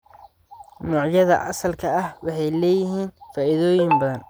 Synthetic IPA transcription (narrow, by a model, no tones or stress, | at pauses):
nɔʕjɐðɐ̰ʔɐsɐlkʰɐɐhwɑħɑjlɛːjɪɦiːnfaːiðɔːjɪmbɐðɐn